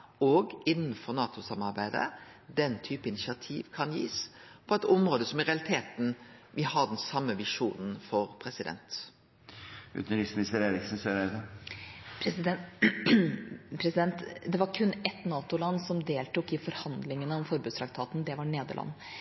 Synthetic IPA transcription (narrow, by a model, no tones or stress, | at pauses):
ɔːɡɪnːn̩fɔɾnɑːt̪ʊsɑmɑɾbæɪd̪ə̰d̪ɛnt̪ʰyːpəɪnɪʃɪɑt̪ʰḭːʋkʰɑnjḭːs | pʰɔɛt̪ɔmɾoːd̪əsɔmɪɾɛɑlɪt̪ʰeːt̪n̩ʋʔɪhɑd̪ɛnsɑmːəʋɪʂuːnn̩fɔɾpʰɾɛsɪd̪ɛ̰nt̪ | ʉ̰ːt̪nɾɪsmɪnɪst̪əɾeːɾɪksn̩søːɾæɪd̪ə | pʰɾɛsɪd̪ɛ | pʰɾɛsɪd̪ɛnt̪d̪ɛʋɑɾkʰʉnːɛt̪nɑːt̪ʊlɑnːsɔmd̪eːlt̪ukɪfɔɾhɑnd̪lɪŋənəɔmfɔɾbʉːst̪ʰɾɑk̚t̪ʰɑːt̪n̩d̪ɛʋɑɳeːd̪ə̰ɭʔɑ̰nː